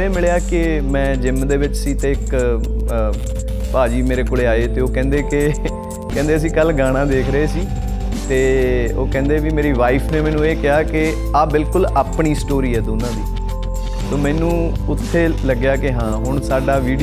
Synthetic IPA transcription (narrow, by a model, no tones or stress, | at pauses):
eːmɪɭjaːkɪ | mɛ̃ːd͡ʒɪmd̪eːʋɪt͡ʃsiːt̪eːɪk | paːd͡ʒiːmeːɾeːkoːɭeːaːeːt̪eːoːkɛ̃ːnd̪eːkɪ | kɛ̃ːnd̪eːəs̬ĩːkəlɡaːɽ̃ãːd̪eːkʰɾəeːsiː | t̪eːoːkɛ̃ːnd̪eːʋiːmeːɾiːʋaːiːpʰneːmɛ̃ːnũːeːkɪaːkɪ | aːbɪlkʊlaːpɳiːsʈoːɾiːɛːd̪oːnãːd̪iː | soːmɛ̃ːnũː | ʊt̪ʰːeːləɡjaːkɪɦãːɦʊɳ̃saːɖaːʋiːɖ